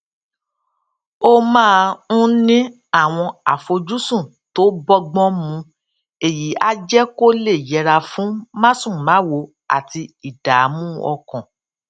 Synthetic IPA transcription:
o˦mãː˦˧˦nĩ˦ | a˦˨w̃ɔ̃˧a˨fo˧d͡ʒu˦sũ˦˨ | to˦bɔ˧ɡ͡bɔ̃˦mũ˧ | e˨ji˨˦a˦d͡ʒɛ˦ko˦le˦˨jɛ˨˧ɾa˧fũ˨˦mã˦sũ˦˨mã˨˦wo˧ | a̰˦˨ti˧i˨da˨˦mũ˦ɔ˧kɔ̃˨

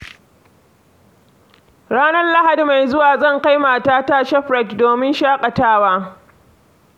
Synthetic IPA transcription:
ɽaː˦nɐ˦rla˦ha˨di˨ma˨jzʊ˦waː˨zɐ˦˨ŋka˦jmaː˨taː˦taː˦ʃɛ˦ɸɽɐ˦˨tdoː˨mɪ˦nʃaː˦kʼɐ˨taː˦waː˦

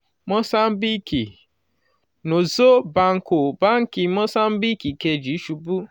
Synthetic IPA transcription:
mɔ˦sa˦m̩˦bi˦ki˨ | no˨zo˦ba˦ŋ̩˨˦kʊ˨ba˦ŋ̩˦ki˨mɔ˦sa˦m̩˦bi˦ki˨ke˨d͡ʒi˨˦ʃu˨bu˦

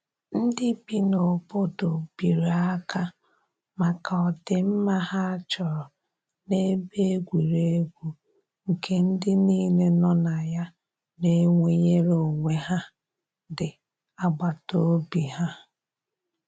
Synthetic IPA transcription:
n̩˦dɪ˦pi˦no˨bʊ˦do˨bi˨ɾa˦ka˦ | ma˨ka˨ɔ˨dɪ˦m̩˦ma˦ha˦t͡ʃɔ˨ɾɔ˨ | ne˦be˦ɡʷi˨ɾe˦e˦ɡʷu˦ | ŋ̩˨ke˦n̩˦dɪ˦niː˦le˦nɔ˦na˨ja˦ | ne˦ŋʷe˦ɲe˦ɾo˨ŋʷe˦ɦa˦ | dɪ˨ | a˦ɡ͡ba˨to˦bi˨ɦa˦

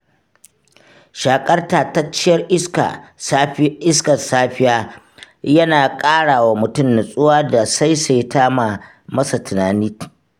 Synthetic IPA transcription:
ʃaː˨kʼɐ˦rtaː˨ta˦t͡ʃɪ˦jɐ˦rʔɪ˦ska̰˨ | ʔɪ˦skɐ˨saː˦ɸɪ˦jaː˦ | jɐ˦naː˨kʼaː˦ɽaː˨wa˨mʊ˨tʊ˦˨mna˨sʼʊ˦waː˦da˨sa˦jsa˨jtʰaː˦ma˨ | mɐ˦sa˨tʰʊ˨naː˨ni˦t

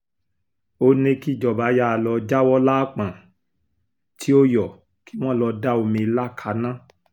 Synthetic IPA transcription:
o˦nẽ˦ki˦˨d͡ʒɔ˨ba˨˦ja˦˨lɔ˧d͡ʒa˦wɔ˦laː˦k͡pã˨ | tʰi˨˦o˦jɔ˨ | ki̥˦w̃ɔ̃˦˨lɔ˧da˦o˧mĩ˧i˧la˦kʰa˨˦nã˦

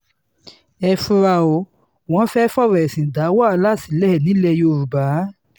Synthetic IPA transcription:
ɛ˧fu˧ɾa˧o˧˨ | wɔ̃˨˦fɛ˦fɔ˦˨ɾɛ˨ɛ˨sĩ˨da˨˦wa˦˨˦la˦˨si˨lɛ˦hɛ˨nĩ˨˦lɛ˧˨jo˧ɾu˨ba˨˦

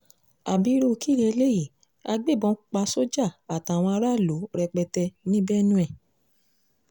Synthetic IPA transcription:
a˨bi˨˦ɾo˦˧ki˦˨ɾɛ˧le˦ji˦˨ | a˧ɡ͡be˦˨bɔ̃˧˦k͡pa˧so˦d͡ʒa˦˨a˨ta˨w̃ɔ̃˧a˧ɾa˦˨lo˨˦ɾɛ˧k͡pɛ˧tɛ˧nĩ˦bɛ˦nũ˦ɛ˦˨

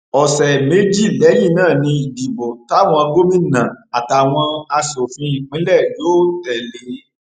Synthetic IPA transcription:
ɔ˨sɛ˨me˦d͡ʒi˦˨lɛ˨˦ji˦˨˧nãː˦˨nĩ˧i˨di˨bɔ˨ta˨˦˨w̃ɔ̃˧ɡo˦mĩ˦nã˨a˨ta˨w̃ɔ̃˧a˧so˨fĩ˧i˨k͡pĩ˨˦lɛ˦˨jo˦tɛ˨le˧˦

